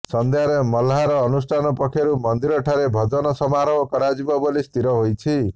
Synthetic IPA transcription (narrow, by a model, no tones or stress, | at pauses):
sɔnd̪ʱjaɾemɔlaɾɔːnusʈʰanɔpɔkʰjɔɾumɔnd̪iɾɔʈʰaɾebʱɔd͡ʒɔnɔsɔmaɾɔwkɔɾad͡ʒibɔbɔlist̪ʰiɾɔɦojt͡ʃʰi